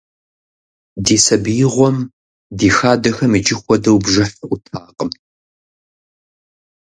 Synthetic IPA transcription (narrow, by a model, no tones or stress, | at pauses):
diːsɐbjɪʁʷɔm | diːxaːdɐxɐmɨd͡ʒɪxʷɔdɐwbʒɐħɨʔʷʊtʰaːqəm